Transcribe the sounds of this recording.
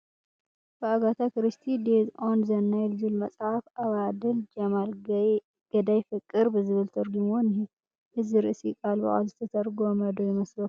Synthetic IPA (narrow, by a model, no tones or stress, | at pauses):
b̥ɨaɡat̪ʰakɨɾɨst̪ʰid̪ezʔonzɐnːajlzɨlmɐt͡sʼhafaβad̪ɨld͡ʒɐmal | ɡ̥ɐd̪ajfɨkʼːɨɾbɨzɨβɨlt̪ʰɨɾɡumonhi | hɨzɨɾɨʔsikʼalbɐ̰ʔʼa̰lzɨt̪ʰɐt̪ʰɐɾɡomɐd̪ojɪmɐslɐf